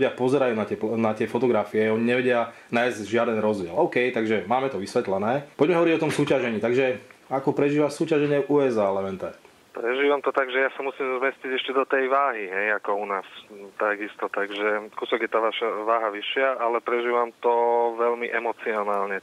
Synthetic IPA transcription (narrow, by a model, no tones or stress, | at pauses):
ɟɪapɔzɛɾajuːnat̪ɪɛpnat̪ɪɛfɔt̪ɔɡɾafiɛɔɲiɲɛʋɛɟɪa | najzɟʒɪad̪ɛnɾɔzɟɪɛlɔʊkɛjt̪aɡʒɛmaːmɛt̪ɔʋisʋɛt̪lɛnɛːpɔɟmɛɦɔʋɔɾiɟɔt̪ɔmsuːcaʒɛɲiːt̪aɡʒɛakɔpɾɛʒiːʋasuːcaʒɛɲɛʔuɛzaːlɛmɛnt̪at̪ | pɾɛʒiːʋamt̪ɔt̪aɡʒɛjasamusiːmzmɛsciɟɛʃcɛd̪ɔt̪ɛjʋaːɦiɦɛjakɔunaːst̪aɡist̪ɔt̪aɡʒɛkusɔɡjɛt̪aːʋaʃaʋaːɦaʋiʃɪaʔalɛpɾɛʒiːʋamt̪ɔʋɛlmiʔɛmɔt͡siɔnaːlɲɛ